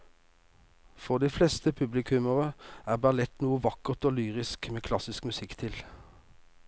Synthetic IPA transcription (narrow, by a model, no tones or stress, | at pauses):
fɔʁd̪iːflɛst̪əpʰʉblɪkʰʉməʁəæːʁbæʁlɛt̪nuːəʋɑkəʁt̪oːlyːʁɪskmeːkʰlɑsɪskmʉsɪkt̪ʰɪl